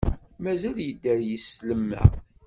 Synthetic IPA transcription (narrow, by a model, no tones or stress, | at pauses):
mæzæljəd̪ːæɾjəsləmːæ̰